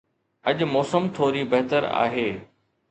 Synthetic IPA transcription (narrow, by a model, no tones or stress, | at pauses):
ɐʄmɔːsəmt̪ʰoːɾibɐɦt̪əɾa̰ːɦeː